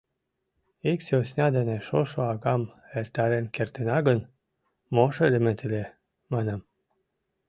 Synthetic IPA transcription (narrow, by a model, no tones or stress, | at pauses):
iksosnʲɑd̪eneʃoʃoɑɡɑm | eɾt̪aɾenkert̪enɑɡən | moʃelement̪ele | mɑnəm